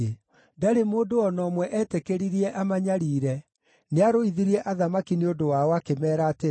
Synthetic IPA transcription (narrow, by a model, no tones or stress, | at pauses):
daɾemoːdoɔnɔːmwɛʔɛtekeɾiɾiɛʔamaɲaɾiːɾɛ | neaɾoiðiɾiɛʔaðamakineondowaɔakemɛːɾaːte